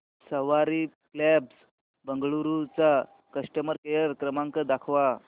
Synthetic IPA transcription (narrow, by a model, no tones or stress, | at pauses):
səʋaɾiklɛbs | bəŋɡɭuɾut͡sa | kəʂʈəməɾkejəɾkɾəmãŋkəd̪akʰʋa